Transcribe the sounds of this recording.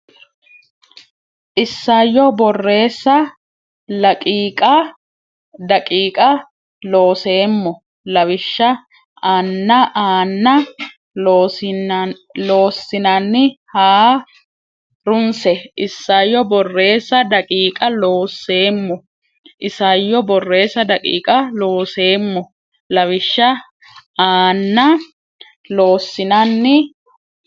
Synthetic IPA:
ʔɪsːajːɔbɔrːe̞ːsːɐ | lɐkʼiːkʼɐ | d̪ɐkʼiːkʼɐ | lo̞ːse̞ːmːɔ | lɐwɪʃːɐ | ʔaːnːɐʔaːnːɐ | lo̞ːsːɪnɐnːɪhaː | ɾʊnsɛʔɪsːɐjːɔbɔrːe̞ːsːɐd̪ɐkʼiːkʼɐlo̞ːsːe̞ːmːɔ | ʔɪsɐjːɔbɔrːe̞ːsɐd̪ɐkʼḭːkʼɐloːse̞ːmːɔ | lɐwɪʃːɐ | aːnːɐ | lo̞ːsːɪnɐnːɪ

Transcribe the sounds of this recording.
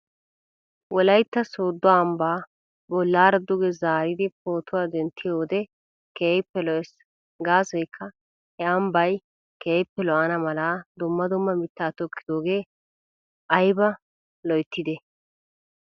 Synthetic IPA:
wʔɔlɐjt̪ːɐsoːd̪ːɔɐːmbaː | bɔlːaːɾɐd̪ʊɡɛzaːɾɪd̪ɪpo̞ːt̪ʊwaːd̪ɛnt̪ːɪjo̞ːd̪ɛ | kejpːɛlɔʔɛs | ɡaːsɔjkʰːɐ | hɛɐmbɐj | kɛjpːɛlɔʔɐnɐmɐlaːd̪ʊmːɐd̪ʊmːɐmɪt̪ːaːt̪ɔkʰːɪd̪o̞ːɡe̞ː | ʔɐjbɐ | lɔjt̪ːɪd̪ɛ

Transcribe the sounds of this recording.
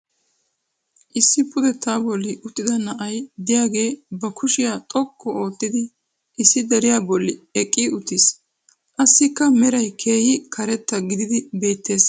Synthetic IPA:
ʔɪsːɪpʰʊd̪ɛt̪ːaːbɔlːɪʔʊt̪ːɪd̪ɐnɐʔɐjd̪ɪjaːɡe̞ːbɐkʰʊʃɪjaːt̪ʼɔkːɔo̞ːt̪ːɪd̪ɪ | ʔɪsːɪd̪ɛɾɪjabɔlːɪɛkʼːɪʊt̪ːɪs | ʔɐsːɪkːɐmɛɾɐjkʰe̞ːhɪkʰɐɾɛt̪ːɐɡɪd̪ɪd̪ɪbe̞ːt̪ːe̞ːs

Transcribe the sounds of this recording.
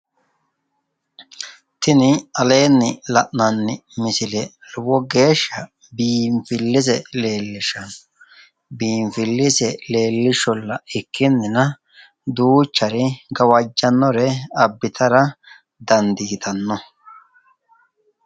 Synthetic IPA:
t̪ɪnɪɐle̞ːnːɪlɐʔnɐnːɪmɪsɪlɛlʊwɔɡe̞ːʃːɐ | biːmfɪlːɪzɛle̞ːlːɪʃɐnɔ̥ | biːɱfɪlːɪsɛle̞ːlːɪʃɔlːɐɪkːɪnːɪnɐ | d̪uːt͡ʃːɐɾɪɡɐwɐd͡ʒːɐnːɔɾɛɐbːɪt̪ʰɐɾɐ | d̪ɐnd̪iːt̪ʰɐnːɔ

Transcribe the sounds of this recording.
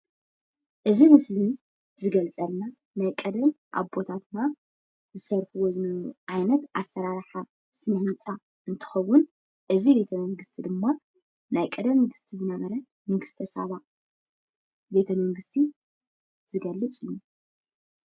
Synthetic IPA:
ʔɨzimɨsli | zɨɡɐlt͡sʼɐlna | najkʼɐd̪ɐm | ʔa̰βbo̞t̪ʰat̪na | zɨsɐɾħɨwozɨuʔajnɐt̪ʔasːɐɾaɾħa | sɨnɐht͡sʼa | ɨnt̪ʰɨ̥xɐwːʊn | ʔɨzibe̞t̪ʰɐmɐŋɡɨst̪ʰid̪ɨmːa | najkʼɐd̪ɐmːɨɡɨst̪ʰizɨnɐβɐɾɐ | mɨɡɨst̪ʰɐsɐ̰βa | be̞t̪ʰɐmɐŋɡɨst̪ʰi | z̥ɨɡɐlːɨt͡sʼɨju

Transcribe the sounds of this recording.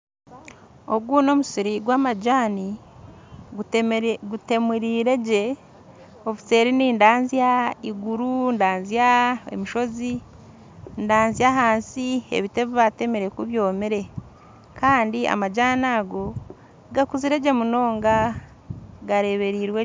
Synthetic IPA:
o̞ɡuno̞musiɾiɡwaːmaɟaːni | ɡute̞muɾiːɾe̞ɟe̞ | ofi̥se̞ɾiniːndaːnzjaiɡuɾundaːnzjaḛmiʃo̞zi | ndaːnzijaɦaːnsiḛβite̞βuβate̞meɾe̞kuβjo̞ːmeɾe̞ | kaːndia̰maɟaːnaːɡo̞ | ɡakuziɾe̞ɟe̞muno̞ːŋɡa | ɡaɾe̞βe̞ɾiːɾwe

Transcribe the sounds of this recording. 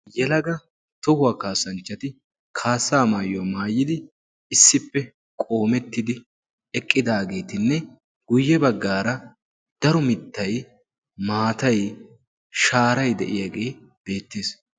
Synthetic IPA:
jɛlɐɡɐ | t̪ʊhʊwaːkaːsɐnt͡ʃːɐt̪ɪ | kʰaːsːaːmaːjomaːjːɪd̪ɪ | ɪsːɪpːɛ | kʼo̞ːmɛt̪ːɪd̪ɪ | ɛkʼːɪd̪aːɡe̞ːt̪ɪnːɛ | ɡ̥ʊjːɛbɐɡːaːɾɐ | d̪̥ɐɾɔmɪt̪ːɐj | maːt̪ɐj | ʃaːɾɐjd̪ɛ̰ʔɪjaɡe̞ː | b̥e̞ːt̪ːeːs

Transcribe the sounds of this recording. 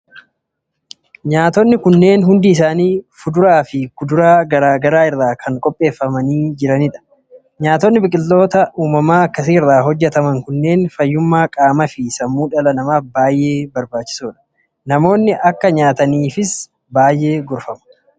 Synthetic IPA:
ɲaːt̪ɔnːɪkʊnːe̞ːnɦʊnd̪iːs̬aːniːfʊd̪ʊɾaːfɪkʊd̪ʊɾaːɡɐɾaːɡɐɾaːɪrːaːkʰɐŋkʼɔpʼːe̞ːfːɐmɐniːd͡ʒɪɾɐnɪᶑɐ̥ | ɲaːt̪ɔnːɪbɪkʼɪlːo̞ːt̪ɐʔuːmɐmaːɐkːɐsiːrːaːɦɔd͡ʒːɛt̪ɐmɐŋkʊnːe̞ːnfɐjːʊmːaːkʼaːmɐfɪsɐmːuːᶑɐlɐnɐmaːbaːjʔe̞ːbɐɾbaːt͡ʃːɪ̥suːᶑɐ̥ | nɐmo̞ːnːɪʔɐkːɐɲaːt̪ɐniːfɪs | baːjʔe̞ːɡʊɾfɐmɐ̥

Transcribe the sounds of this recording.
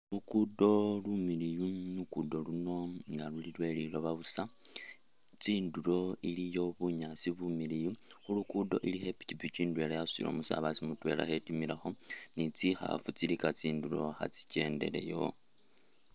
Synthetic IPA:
lukudo̞lumilijunukudo̞luno̞ŋɡalulilwe̞lilo̞βaβusa | t͡siːndulo̞ilijo̞βuɲasiβumilijuxulukudo̞̰ʔilixepi̥tipit͡ʃiːndwe̞lajasḭlo̰musa̰βasimutwe̞̰la̰xe̞timiɾaxo̞nit͡sixa̰fut͡silikat͡siːndulo̞xa̰t͡si̥ce̞ːnde̞̰ɾe̞̰jo̞̰

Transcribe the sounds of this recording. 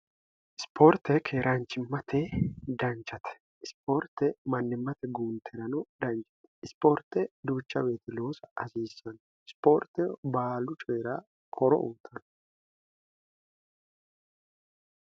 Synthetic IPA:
ʔɪspʰo̞ːɾt̪ːɛkʰe̞ːɾʔant͡ʃːɪmːɐt̪ʰɛd̪ɐnt͡ʃːɐt̪ɛ̥ | ʔɪspo̞ːɾt̪ːɛmɐnːɪmːɐt̪ɛɡuːnt̪ʰɛɾɐnɔd̪ɐnt͡ʃɐ̥t̪ɛ̥ɪspo̞ːɾt̪ɛd̪uːt͡ʃːɐbe̞ːt̪ɪloːsɐɐsiːsːɐn | ɪspo̞ːɾt̪ɛbaːlʊt͡ʃʼeːɾa | kʰɔɾɔ̰ʔuːt̪ʰɐn

